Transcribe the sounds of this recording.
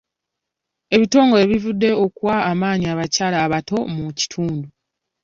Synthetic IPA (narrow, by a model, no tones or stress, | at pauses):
e̞βito̞ːŋɡoe̞βivudːe̞okuwaːmaːɲiaβacaːlaːβato̞muci̥tʰuːndu